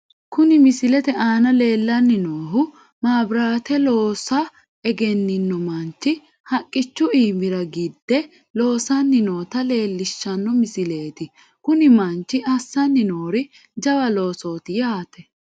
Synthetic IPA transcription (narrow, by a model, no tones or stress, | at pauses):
kʊnɪmɪsɪlɛt̪ɛʔaːnɐle̞ːlːɐnːɪnoːɦʊ | maːbɾaːt̪ɛlo̞ːsɐ | ɛɡɛnːɪnːɔmɐnt͡ʃːɪ | hɐkʼːɪt͡ʃːʊiːmɪɾɐɡɪd̪ːɛ | lo̞ːsɐnːɪno̞ːt̪ɐle̞ːlːɪʃːɐnːɔmɪsɪleːt̪ɪ | kʊnɪmɐnt͡ʃːɪʔɐsːɐnːɪnoːɾɪ | d͡ʒɐbɐlo̞ːso̞ːt̪ɪjaːt̪ɛ